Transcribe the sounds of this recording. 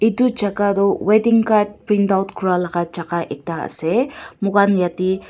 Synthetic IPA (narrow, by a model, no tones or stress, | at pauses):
id̪ut͡ʃakaɾɔwed̪iŋkaɾʈ̚pɾind̪awt̪kuɾalakat͡ʃakaʔek̚t̪aə̰semukanjat̪i